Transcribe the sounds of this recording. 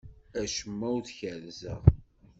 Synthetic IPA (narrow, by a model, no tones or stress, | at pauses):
æʃəmːæwðçəlzəʁ